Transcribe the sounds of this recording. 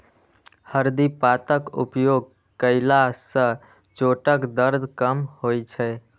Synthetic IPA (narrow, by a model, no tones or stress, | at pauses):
həɾd̪ipat̪əkṵpjoɡ̚ | kəɪlasə̃ | d͡ʒoːʈəkd̪əɾd̪ʱkəmhojt͡ʃʰɛ